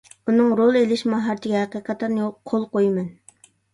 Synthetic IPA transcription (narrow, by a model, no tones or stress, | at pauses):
unɨŋɾolˠelɪʃmɑɦɑɾt̪ʰɪɡʲɛɦæqijqʰɑt̪ʰːɑɾnɨjoqʰolˠqojmɛn